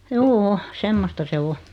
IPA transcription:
juːu semːostɑ se o

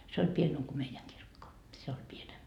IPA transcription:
se olʲ pienem ko meijæŋ kirkːo se olʲ pienem

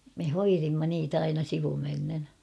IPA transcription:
me hoirimːɑ niːtæ ɑinɑ siʋumenːen

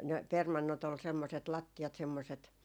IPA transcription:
ne permɑnːot ol semːoset lɑtːiɑt semːoset

